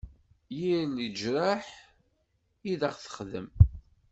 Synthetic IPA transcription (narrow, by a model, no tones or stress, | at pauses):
jilid͡ʒɾaħ | iðaʁθə̥χðə̰m